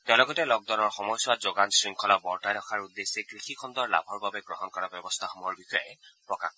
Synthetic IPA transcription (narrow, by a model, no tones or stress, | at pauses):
tɛlɔɡɔtɛlɔɡ̚d̪ɔnɔɹxɔmɔjswazoɡansɹiŋkʰɔlabɔɹtajɾɔkʰaɹud̪ːesekɹixikʰɔnd̪ɔɹla̰bʱɔɹbabɛɡɹɔɦɔnkɔɹabjɔbɔst̪ʰaxomuɔɹbixɔjɛpɹɔka̰x